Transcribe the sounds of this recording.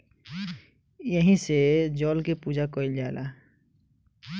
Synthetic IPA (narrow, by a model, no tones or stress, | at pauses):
jəɦĩsed͡ʒɔːlkepud͡ʒakɔild͡ʒaːlʔa